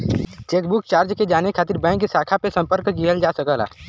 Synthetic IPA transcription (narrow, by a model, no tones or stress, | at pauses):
t͡ʃeːkbukt͡ʃaːɾd͡ʒked͡ʒaːnekʰaːt̪ɪɾbɛ̃ːŋkːesaːkʰapesə̃mpəɾkɡiɦəld͡ʒaːsəkəla̰ː